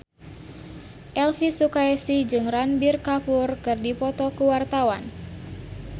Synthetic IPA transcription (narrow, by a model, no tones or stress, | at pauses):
ʔɛlfisukaɛsid͡ʒɨŋranbirkapurkɨrdipɔt̪ɔkuwart̪awan